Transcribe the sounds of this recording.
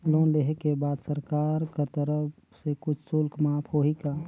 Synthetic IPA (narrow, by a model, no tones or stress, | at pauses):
loːnleɦekebaːd̪səɾkaːɾkəɾt̪əɾəp | sekʊt͡ʃʰsʊlkmapʰoɦika